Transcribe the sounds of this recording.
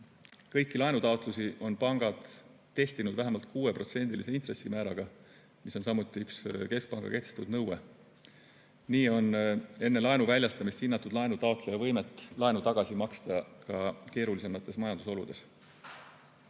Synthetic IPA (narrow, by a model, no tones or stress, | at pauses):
kɤ̞jkːilɑenut̪ɑot̪ˑlusiʔo̞npɑŋɡ̥ɑd̪̥ | t̪ːe̞st̪inud̪̥væɦemɑlt̪kuːe̞pɾro̞t̪se̞nʲd̪ilise̞int̪re̞sːimæːɾɑɡ̥ɑ | miso̞nsɑmːut̪ːˑiykske̞sk̚pɑŋɡ̥ɑ̰ke̞ht̪e̞st̪uud̪nɤwe | niːo̞ne̞nːe̞lɑenuvælʲjɑst̪ɑmist̪hinːɑt̪ːˑud̪̥lɑenut̪ɑot̪ˑle̞jɑvɤ̞jme̞t̪ːˑlɑenut̪ɑɡ̥ɑsimɑkst̪ɑkɑke̞ːɾulise̞mɑt̪ːˑe̞smɑjɑnd̪uso̞lud̪̥e̞s